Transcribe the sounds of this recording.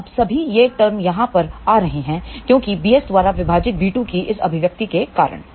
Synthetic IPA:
ɐbsɐbʱijeʈɐɾmjɐɦãpɐɾaːɾɐɦeɦɛ̃ːkjõːkibiːɛsd̪ʋaːɾaʋɪbʱaːd͡ʒɪt̪̚biːʈũkiʔɪsɐ̰bʱɪʋjɐk̚t̪ikeka̰ːɾə̰ɽ̃

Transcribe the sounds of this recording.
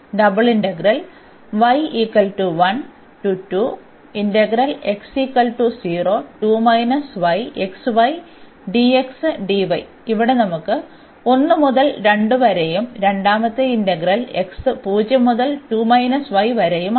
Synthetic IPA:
ɖɐbɨɭiɳɖɐɡɾɐl | ʋɐjikːɐlʈuʋɐn | ʈuʈːu | inɖɐɡɾɐle̞ksiːkːɐlʈusiːroːʈuːmɐjnɐsʋɐjeksʋɐj | ɖieksɨɖiʋɐj | iʋiɽe̞nɐmukːɨ | o̞nːɨmuðɐlɾe̞ɳɖɨʋɐɾejumɾe̞ɳɖaːmɐt̪ːɨinɖɐɡɾɐle̞̰ksɨpuːd͡ʑjɐmuðɐlʈuːmɐjnɐsʋɐjʋɐɾejum

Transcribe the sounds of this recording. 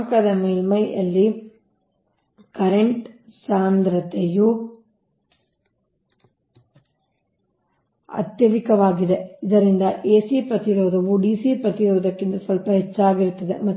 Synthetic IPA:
kɐd̪ɐmeːlmɐjʔɐ̰lːi | kɐɾɐɳʈsaːnd̪ɾɐt̪eju | ɐ̰t̪jɐʋ̪ikɐʋaːɡid̪eid̪ɐɾind̪ɐʔeːsipɾɐt̪iɾoːd̪ɐʋuɖiːsipɾɐt̪iɾɔːd̪ɐkːind̪ɐsʋɐlpɐɦɛt͡ʃːaːɡiɾut̪ːɐðemɐ

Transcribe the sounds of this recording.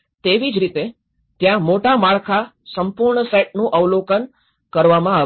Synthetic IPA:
t̪eʋid͡ʒɾit̪e | t̪jãmoʈamaɭkʰa | səmpuɾɳəseʈ̚nũʔəʋlokən | kəɾʋamãa

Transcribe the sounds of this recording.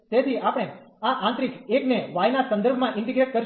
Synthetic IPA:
t̪et̪ʰiapɽ̃eaʔãnt̪ɾikekneʋajnasə̃nd̪əɾbʱmãʔɪ̃ɳʈiɡɾeʈ̚kəɾ

